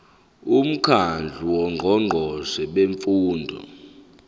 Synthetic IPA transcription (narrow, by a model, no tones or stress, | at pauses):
um̩kʰand͡ɮʱuwɔŋʱɔŋ͡ǃʱɔsɛɓeɱfuːndʱɔ̰